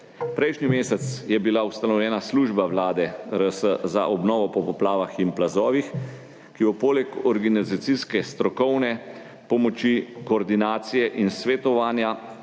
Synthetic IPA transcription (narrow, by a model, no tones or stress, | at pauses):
pɾɛjʃnimeːsɛt̪sjɛbilaust̪anɔwljɛːnasluːʒbawlaːd̪ɛɾəsəza̰ʔɔbnɔːʋɔpɔpɔplaːʋaxinplazɔːʋix | kibɔpoːlɛkɔɾɡanizat̪siskɛst̪ɾɔkɔwnɛ | pɔmɔt͡ʃikɔːɾd̪inaːt̪sijɛʔinsʋɛt̪ɔʋaːnja